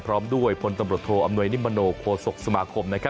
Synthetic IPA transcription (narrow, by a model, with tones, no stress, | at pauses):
pʰɾɔː˦˥mdu˥˩əjpʰo˧nt̪a˧mɾu˨˩ət̪ʰoː˧ʔa˧mnu˧əjni˦˥mːa˧noː˧kʰoː˧so˨˩k̚sa˧maː˧kʰo˧mna˦˥kʰa˦˥